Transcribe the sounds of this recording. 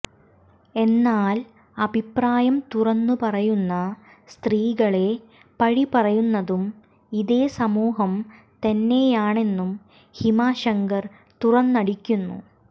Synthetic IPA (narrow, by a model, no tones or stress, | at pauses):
e̞nːaːl | ɐbʱipraːjɐmt̪urɐnːupɐrɐjunːɐ | st̪riːɣɐɭe̞ | pɐɻipɐrɐjunːɐðum | iðe̞ːsɐmuːɦɐm | t̪ɐnːe̞ːjaːɳe̞nːum | himaːɕɐŋɡɐr | t̪urɐnːɐɽikʲːunːṵ